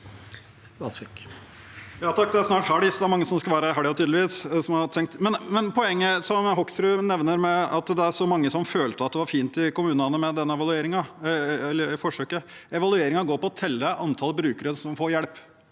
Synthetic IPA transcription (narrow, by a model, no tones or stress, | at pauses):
ʋɑsk | jɑːt̪ʰɑkːd̪ɛæɾsnɑːʈhɑɖɪsɔd̪ɛæɾmɑŋːəsɔmskɑʋæːɾəɦɑɖɪɑt̪ʰyːd̪lɪʋiːssɔmhɑɾt̪ʰɛŋk̚t̪mɛnmɛnpʰɔɛŋːəsɔmɦɔksɾʉnɛʋnəɾmɛɑt̪d̪ɛæɾʂɔmɑŋːəsɔmføːlt̪əɑt̪̚d̪ɛʋɑɾfiːnt̪ɪkʊmʉːnɑnəmɛd̪ɛnːəɛʋɑlʉeːɾɪŋɑɛlːəɾfɔʂøːkə | ɛʋɑlʉeːɾɪŋɑɡoːɾpːɔɔt̪ʰɛlːəʔɑnt̪ʰɑlbɾʉːkəɾəsɔmfoːɾjɛɽp